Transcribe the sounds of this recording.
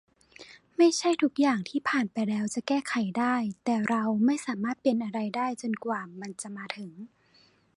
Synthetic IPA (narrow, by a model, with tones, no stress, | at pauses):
ma˥˩jt͡ɕʰa˥˩jt̪ʰu˦˥k̚jaː˨˩ŋt̪ʰiː˥˩pʰaː˨˩npa˧jlɛː˦˥wt͡ɕa˨˩kɛː˥˩kʰa˨˩˦jdaː˥˩jt̪ɛː˨˩ɾa˧wma˥˩jsaː˩˦maː˥˩t̪̚pe˧nʔa˧ɾa˧jdaː˥˩jt͡ɕo˧nkwaː˨˩ma˧nt͡ɕa˨˩maː˧t̪ʰɯ˩˦ŋ